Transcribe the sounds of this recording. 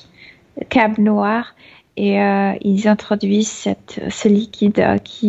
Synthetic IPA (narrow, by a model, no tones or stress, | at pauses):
kabnwaʁ | eøilzɛ̃t̪χɔd̪ɥizsɛt̪səlikʲʰid̪ø̰kʲʰi